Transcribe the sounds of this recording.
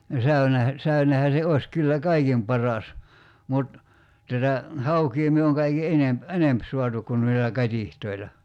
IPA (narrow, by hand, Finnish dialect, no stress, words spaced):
no sæynehæ sæynehæ se oe̝s kylːæ kɑikim pɑrɑs mut tætæ hɑukiː myø oŋ kɑiki enemp enemp suɑtuk kun noilːɑ kɑtʲihtoilɑ